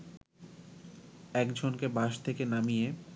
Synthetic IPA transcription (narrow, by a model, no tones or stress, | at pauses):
ɛkd͡ʑonkebaʃt̪ʰekenamije